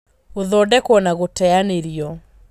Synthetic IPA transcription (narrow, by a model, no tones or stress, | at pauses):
oðɔdɛkwɔnaɣotɛaneɾiɔ